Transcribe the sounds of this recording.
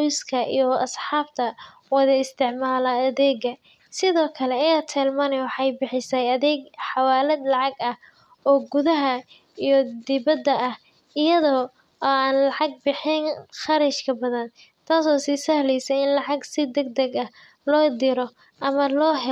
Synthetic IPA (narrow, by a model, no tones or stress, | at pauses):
jskʰɐʔijɔɐsħɑːb̚t̪ʰɐ | wɐðɐɪst̪ʰɪʕmaːlɐɐðɛːɡɐ | sɪðɔːkʰɐlɛɐjaːt̪ʰɛːlmɐnɛwɑħɑjbɪħɪsɐjɐðɛːɡħɑwaːlɛd̪lɑʕɑɡɐh | ɔːɡʊðɐɦɐ | ijɞd̪ɪβɐd̪ɐɐh | ɪjɐðɔː | aːnlɑʕɑɡ̚bɪħɪnχɑɾɛʃkʰɐbɐðɐn | t̪ʰaːsɔːsiːsɐhlɛjsɛjɪnlɑʕɑɡsɪd̪ɛɡ̚d̪ɛɡɐh | lɔːd̪ɪɾɔ | ʔɐmɐlɔːɦɛ